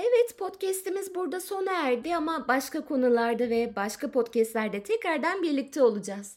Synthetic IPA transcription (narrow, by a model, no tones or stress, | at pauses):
evɛt̪pʰo̞t̪cɛst̪imizbuɾd̪aso̞naæɾd̪ɪamabaʃkakʰo̞nulˠaɾd̪avɛbaʃkʰapʰo̞t̪cʰɛst̪lʲæɾd̪ɛt̪ʰɛcɾaɾd̪ænbiɾlʲic̚t̪ʰɛo̞lˠud͡ʒaz̥